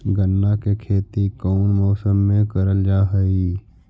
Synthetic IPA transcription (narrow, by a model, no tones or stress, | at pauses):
ɡənːakekʰeːt̪ikoːnmɔːsəmːẽkəɾəld͡ʒaːɦəi